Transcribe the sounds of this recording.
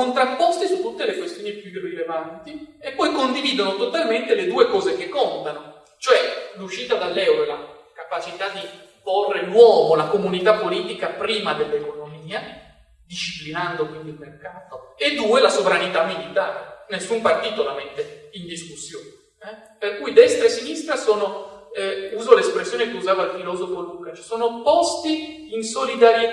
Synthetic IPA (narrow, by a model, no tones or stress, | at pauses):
ont̪ɾapːɔst̪isut̪ːut̪ːelekwest̪joːnipjurilevant̪iepːɔjkond̪iviːd̪onot̪ot̪alment̪eled̪uːekɔːzek̟ekːont̪ano | t͡ʃoɛluʃːiːt̪ad̪alːɛwɾolakapat͡ʃit̪ad̪iporːenwɔːvolakomunit̪apːoliːt̪ikapɾiːmad̪elːekonomiːa | d̪iʃːiplinand̪okwind̪ilmerkaːt̪oed̪ːuːelasovɾanit̪amːilit̪aːɾenesːumpart̪iːt̪olamet̪ːeind̪iskusːjoːne | ɛ | perkujd̪ɛst̪ɾesinist̪ɾasoːnoɛuːzolespɾesːjoːnekeuzaːvalfilɔːzofoluːkat͡ʃsoːnopɔst̪iː | nsolid̪aɾje